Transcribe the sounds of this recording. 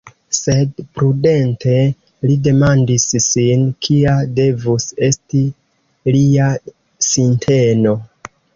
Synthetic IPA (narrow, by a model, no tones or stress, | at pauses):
se̞dpɾude̞ntʰe̞ | lide̞mandisːinkʰiade̞vuse̞sti | lia | sintʰe̞no̞